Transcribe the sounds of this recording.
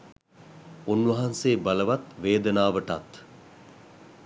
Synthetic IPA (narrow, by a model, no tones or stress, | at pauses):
unʋɐɦanseːbaləʋat̪ʋeːd̪ənaːʋəʈat̪